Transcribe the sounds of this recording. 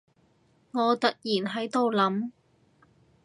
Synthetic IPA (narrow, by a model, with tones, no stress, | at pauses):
ŋɔː˨˧t̪ɐ˨t̚jiː˨˩nɦɐ˨˥jt̪o˨˧wlɐ˨˥m